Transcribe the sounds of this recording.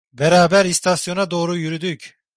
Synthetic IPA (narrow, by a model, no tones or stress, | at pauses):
beɾaːbæɾist̪ʰasjo̞nad̪o̞ːɾujyɾyd̪yc